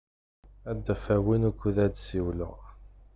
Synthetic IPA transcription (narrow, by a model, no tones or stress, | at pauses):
æd̪ːæfæwinukʷːuðæd̪siwlə̰ʁ